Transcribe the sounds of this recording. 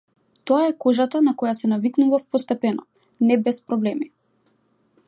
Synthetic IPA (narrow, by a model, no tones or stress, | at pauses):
t̪oaɛkɔʒat̪anakɔjasɛnaviknuvafpɔst̪ɛpɛnɔ | nɛbɛspɾɔblɛmi